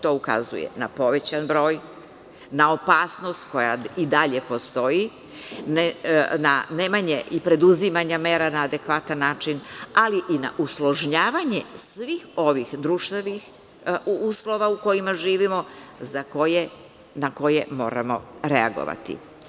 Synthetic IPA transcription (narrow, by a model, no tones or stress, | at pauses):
t̪o̞uka̰zṵjḛnapo̞ʋe̞t͡ɕanbɾo̞ːj | nao̞paːsno̞st̪ko̞ja̰id̪aʎe̞po̞st̪o̞ji | nenanemaɲeʔipɾe̞d̪uzimaɲameːɾanaːd̪e̞kʋat̪anːaːt͡ʃinaliʔina̰ʔuslˠoʒɲaːʋaɲe̞sʋiːxo̞ʋixd̪ɾuʃt̪eʋix | uːslˠo̞ʋauko̞jimaʒiːʋimo̞zako̞je | nako̞jemo̞̰ːɾa̰mo̞̰ɾeaɡo̰ʋa̰t̪ḭ